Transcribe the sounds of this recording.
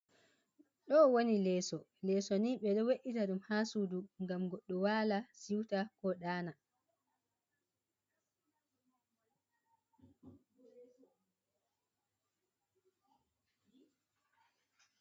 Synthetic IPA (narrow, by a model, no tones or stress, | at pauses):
ɗɔwonilɛːsɔlɛːsɔniɓɛɗɔweʔitaɗumhaːsuduŋɡamɡɔɗːɔwaːlasiwtakɔɗaːna